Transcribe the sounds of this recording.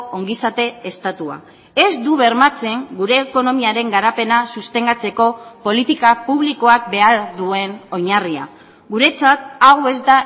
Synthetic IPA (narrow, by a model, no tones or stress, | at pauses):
o̞ŋɡisat̪e̞est̪at̪ua̰ | e̞zd̪uβe̞ɾmat͡se̞ŋɡuɾe̞ːko̞no̞miaɾe̞ŋɡaɾape̞nasust̪e̞ŋɡat͡se̞ko̞po̞lit̪ikapuβ̞liko̞ak̚be̞aɾðue̞no̞ɲaria̰ | ɡuɾe̞t͡sat̪̚aɣoe̞zd̪a